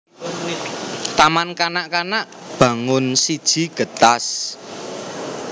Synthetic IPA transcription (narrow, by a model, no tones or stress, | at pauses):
t̪amankanaʔkanaʔb̥a̤ŋʊnsid̥ʒ̥i̤ɡ̥ə̤t̪as